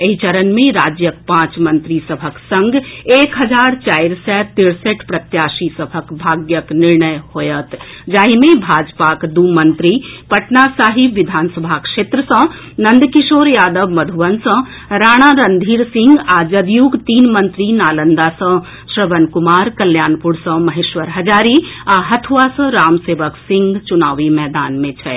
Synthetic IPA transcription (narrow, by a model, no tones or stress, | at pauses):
eɦit͡ʃəɾənmẽɾaːd͡ʒjək̚pãːt͡ʃmənt̪ɾisəbʱəksə̃ŋɡeːkɦɐd͡ʒaːɾt͡ʃaːjɾsɛt̪iɾsəʈpɾət̪jaːsisəbʱəkbʱaːɡjəkniɾɳəjhojət̪ | d͡ʒaːɦimẽbʱaːd͡ʒpakd̪umənt̪ɾipəʈnasaːɦibʋid̪ʱaːnsəbʱakʂeːt̪ɾəsə̃ | nɐ̃nd̪kiʃoːɾjaːd̪əbmɐd̪ʱuʋənsə̃ | ɾaːɽ̃aɾənd̪ʱiːɾsɪ̃ŋɡaːd͡ʒɐd̪juːɡt̪iːnmə̃nt̪ɾinaːlənd̪asə̃ | sɾəʋənkumaːɾkɐljaːnpuɾsə̃mɐɦeːʃʋəɾɦɐd͡ʒaːɾiaɦɐt̪ʰʋasə̃ɾaːmseːʋəksɪ̃ŋɡt͡ʃunaːʋimɛːd̪aːnmẽt͡ʃʰɛ